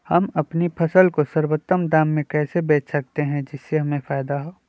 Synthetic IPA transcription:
hɐmɐpnipʰɐsəlkosɐɾwot̪ːəmd̪aːmːẽkɛːsebeːt͡ʃsɐk̚t̪eɦɛ̃d͡ʒɪsːeɦɐmẽfaːjd̪aɦoː

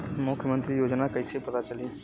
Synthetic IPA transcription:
mukʰjəmənt̪ɾijod͡ʒnakəjsepət̪at͡ʃəli

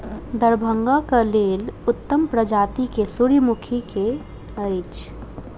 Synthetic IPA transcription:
d̪əɾbʱə̃ŋɡakəlelʊt̪ːəmpɾəd͡ʒat̪ikesuɾimukʰike | əɪt͡ʃʰ

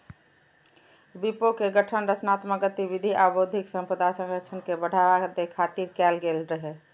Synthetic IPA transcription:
bipokeɡəʈʰənɾət͡ʃnat̪məɡət̪ibid̪ʱiʔabod̪ʱiksə̃mpɾəd̪asə̃ŋɡət͡ʃʰənkebəɽ̤abad̪ekʰat̪iɾkɛlɡelɾəɦɛ

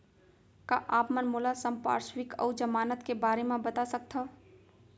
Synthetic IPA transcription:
kaʔaːpmənmoːlasəmpa̰ːɾʃwɪkɔ̰ːd͡ʒəmaːnət̪kebaːɾemẽbət̪asək̚t̪ʰa

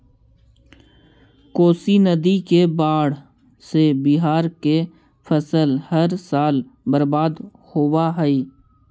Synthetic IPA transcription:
koːsinəd̪ikebaːɽ | sebiɦaːɾke | fʰəsəlhəɾsaːlbəɾbaːd̪ | howaɦɛiː

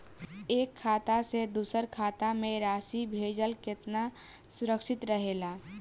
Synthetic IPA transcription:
eːkʰːaːt̪ased̪uːsəɾkʰaːt̪amẽɾaːsibʱeːd͡ʒəlkɪt̪na | sʊɾəkʃɪt̪ɾəɦeːlaː

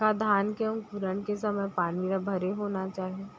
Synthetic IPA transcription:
kad̪ʱaːnkeʊ̃ŋkʊɾənkesɐməjpaːniɾabʱɐɾeɦoːnat͡ʃaːɦieː

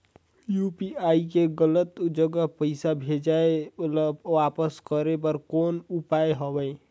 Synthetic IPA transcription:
jupiaikeɡələt̪d͡ʒəɡəpəɪsabʱed͡ʒaelʋapəskəɾebəɾkoːnupaeɦəbəɪ

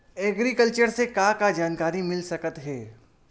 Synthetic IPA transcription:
ɛɡɾikəlt͡ʃəɾsekaːkad͡ʒaːnkaːɾimɪlsɐkət̪ɦɛː

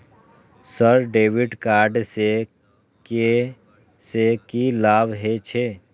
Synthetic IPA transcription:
səɾɖeːʋɪɖkaːɾɖse | ke | sekilaːbɦet͡ʃʰe

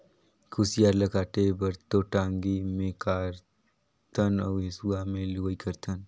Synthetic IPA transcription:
kʰusjaːɾlɐkaːʈebɐɾt̪oʈaːŋɡimẽkaːɾ | t̪ʰɐnɐwɦesuaːmẽluəikʰɐɾt̪ʰən

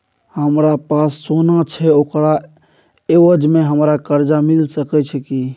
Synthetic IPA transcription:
həmɾapasːonat͡ʃʰɛokɾa | ewəd͡ʒmeɦəmɾakəɾd͡ʒamilsəkɛt͡ʃʰɛki

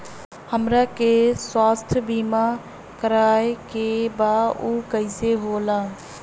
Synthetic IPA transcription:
həmɾaːkeːswaːst̪ʰbiːmaː | kəɾaːekeːbaːuːkəɪseːɦoːlaː

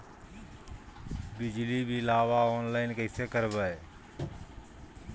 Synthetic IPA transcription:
bɪd͡ʒlibʱilaːʋaoːnlaːɪnkəɪsekəɾbəe

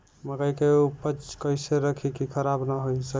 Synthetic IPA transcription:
məɡəjkeuupət͡ʃkəɪseɾəkʰikikʰəɾabnəɦojsə

